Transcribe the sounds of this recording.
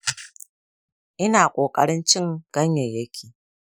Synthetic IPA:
ʔɪ˦naː˨kʷʼoː˨kʼɐ˦ɽɪ˦nt͡ʃɪ˦ŋɡ̥ɐ˦ɲja˨jɐ˦kʲʰiː˨

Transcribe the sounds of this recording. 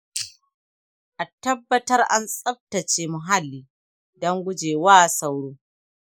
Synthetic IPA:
ʔa˨tɐ˦bːɐ˦tɐ˦rʔa˦nsʼɐ˦b̚tɐ˨t͡ʃeː˨mʊ˨ɦa˦lːiː˨ | dɔ˦ŋɡʷʊ˦d͡ʒeː˨waː˦sa˦wɽoː˦

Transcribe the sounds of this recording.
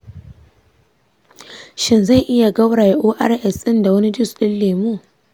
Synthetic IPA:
ʃɪ˦nza˦˨jʔɪ˦ja˨ɡɐ˦wɽaː˨ja˨ʔoː˦ʔa̰˦rʔɛ˨sɪ˦nda˨wɐ˦ni˦dʊ˦˨sɗɪ˦lːeː˨mu˦˨

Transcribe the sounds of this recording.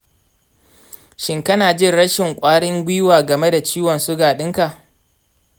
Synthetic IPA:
ʃɪ˨ŋkɐ˦naː˨d͡ʒɪ˦nɽɐ˦ʃɪ˨ŋkʷʼaː˦ɽɪ˦ŋɡʷi˦waː˨ɡɐ˨me˦da˨t͡ʃiː˦wɔ˨nsʊ˦ɡaː˨ɗɪ˦ŋka˨ʔ

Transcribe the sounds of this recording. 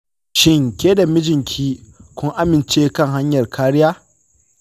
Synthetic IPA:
ʃɪ˦ŋkʲeː˦da˨mɪ˦d͡ʒɪ˨ŋkʲʰiː˦kʷʊ˦ŋʔa˦mɪ˨nt͡ʃeː˦kɐ˦˨ŋɦa˦ɲjɐ˨rkʰaː˦ɽɪ˦jaː˦

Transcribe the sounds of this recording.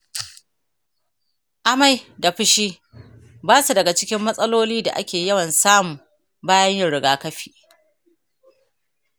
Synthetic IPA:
ʔa˨ma˨jda˨ɸɪ˦ʃiː˦ | baː˦su˨dɐ˨ɡa˨t͡ʃɪ˦kʲɪ˦mːɐ˦sʼɐ˦loː˦liː˦da̰˨ʔa̰˦kʲeː˨jɐ˦wɐ˨nsaː˦mu˨ | baː˦jɐ˦ɲja˦˨ɽɪ˨ɡaː˦kɐ˦ɸi̥ː˨ʔ

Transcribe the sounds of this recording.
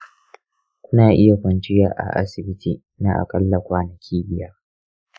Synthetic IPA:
kʷʊ˦naː˨ʔɪ˦ja˨kʷɐ˨nt͡ʃɪ˦jaː˨ʔa̰˨ʔa̰˦sɪ˨bɪ˦tʰiː˨ | na˦ʔa̰˨kʼɐ˦lːɐ˨kʷaː˨nɐ˨kʲʰiː˦bɪ˦jɐ˦r

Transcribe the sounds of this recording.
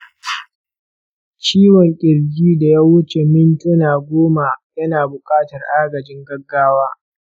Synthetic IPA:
t͡ʃiː˦wɔ˨ŋkʲʼɪ˨ɾɡʲiː˦da˨jaː˦wʊ˦t͡ʃe˨mɪ˦ntʊ˦naː˨ɡʷoː˦ma˨jɐ˦naː˨bʊ˨kʼaː˦tɐ˨rʔaː˦ɡɐ˨d͡ʒɪ˦ŋɡɐ˦ɡːaː˦waː˦

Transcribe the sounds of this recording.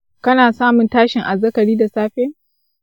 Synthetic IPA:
kɐ˦naː˨saː˦mʊ˨ntaː˦ʃɪ˨ŋʔa˨zɐ˦kɐ˨ɽiː˦da˨saː˦ɸeː˦

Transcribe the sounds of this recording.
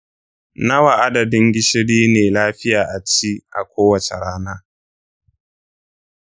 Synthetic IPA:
nɐ˦wa˨ʔa˦dɐ˨dɪ˦ŋɡʲɪ˦ʃɪ˦ɽiː˦neː˨laː˦ɸɪ˦jaː˨ʔa˨t͡ʃi˦ʔa̰˨kʷoː˦wɐ˨t͡ʃḛ˨ɽaː˦naː˦

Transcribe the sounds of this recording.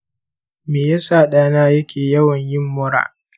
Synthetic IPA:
meː˨ja˦saː˦˨ɗaː˦naː˦jɐ˦kʲʰeː˨jɐ˦wɐ˨ɲjɪ˦mːʊ˦ɾa̰ː˨

